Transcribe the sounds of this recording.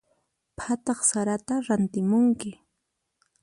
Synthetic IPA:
pʰat̪ɑχsaɾat̪aɾant̪ɪmʊŋkɪ

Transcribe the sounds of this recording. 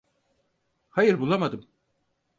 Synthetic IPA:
hajɯɾbulˠamad̪ɯm

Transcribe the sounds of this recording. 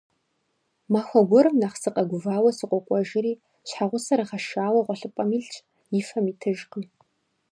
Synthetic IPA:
maxʷɐɡʷɔɾɨmnaχsɨqʼɐɡʷʊvaːwɐsɨqʷʼɔqʷʼɔʒɪɾiː | ɕħaʁʷʊsɐɾɨχɐʃaːwɐʁʷɔɬɨpʷʼɐmiːɮt͡ʃʼ | jɪfɐmiːtʰɨʒqə

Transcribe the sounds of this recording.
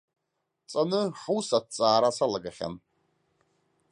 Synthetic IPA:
t͡sʼanɨħusad̚t͡sʼaːɾasalaɡaχʲa̰n

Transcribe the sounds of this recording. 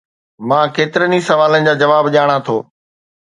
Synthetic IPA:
mãːkeːt̪ɪɾənisɐʋaːlənɪ̆d͡ʑaːd͡ʑɐʋaːbʄaːɽ̃ãt̪ʰoː

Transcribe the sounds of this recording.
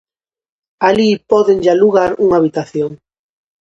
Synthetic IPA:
alipɔðeŋʎaluɣaɾuŋaβit̪aθjoŋ

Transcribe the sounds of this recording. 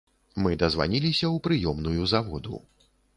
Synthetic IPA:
mɨd̪ɐzva̰nʲilʲisʲɐwpɾɨjɔmnujuzavɔd̪ṵ

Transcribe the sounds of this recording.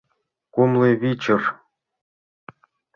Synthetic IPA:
kumlˠɤβʲit͡ɕɘ̆r

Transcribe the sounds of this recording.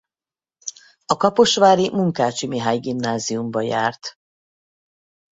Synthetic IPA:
ɒkɒpo̞ʃʋaːɾimuŋkaːt͡ʃimiɦaːjɡimnaːziumbɒjaːrt̪

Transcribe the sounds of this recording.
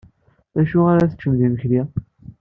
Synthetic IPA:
æʃuaɾæθə̥t͡ʃːəmðiməçli

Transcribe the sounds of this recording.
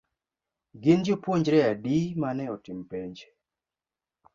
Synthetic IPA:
ɡɪnd͡ʒopwoɲd͡ʒɾɛadimanɛɔtɪmpeɲd͡ʒ

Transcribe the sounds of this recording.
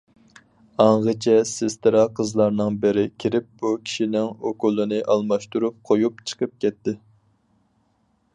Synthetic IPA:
ɑɴʁət͡ʃʰɛsɪst̪ɨɾɑqʰəzlˠɑɾnɨŋbɪɾɪkʲʰiɾɪp̚b̥ukʲʰi̥ʃinɪŋokulˠːɨnɨʔɑlˠmɑʃt̪uɾup̚qʰojupt͡ʃʰə̥qʰəp̚kʲʰɛt̪ːɪ

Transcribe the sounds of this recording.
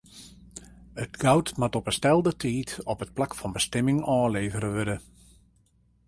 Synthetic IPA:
ətɡ̥awtmatɔpəstɛlˠdətʰiːtɔpət̚plakfɔnbəstɛmɪŋɔːleːvəɾəʋødə

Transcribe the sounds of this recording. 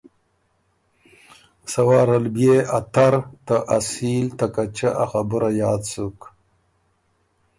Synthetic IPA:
sɐwɑːɾalbjeat̪aɾt̪aʔasiːlt̪akat͡ʃaʔaxabuɾajɑːd̪suk

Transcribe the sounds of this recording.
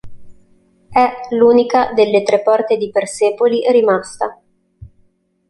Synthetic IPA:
ɛluːnikad̪elːet̪ɾepːɔrt̪ed̪iperseːpoliɾimast̪a

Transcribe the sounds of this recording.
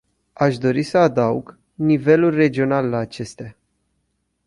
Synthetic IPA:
aʃd̪o̞ɾisəad̪aṵɡ | nive̞lulʲre̞d͡ʒio̞nalːaːt͡ʃe̞st̪ea

